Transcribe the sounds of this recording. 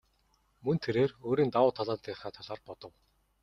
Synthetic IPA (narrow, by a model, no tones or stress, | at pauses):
mɵnt̪ʰeɾeːroːɾiːnt̪awʊːt̪ʰaɮaːt̪ːiːχaːt̪ʰaɮaːrpɔt̪ɞ̆w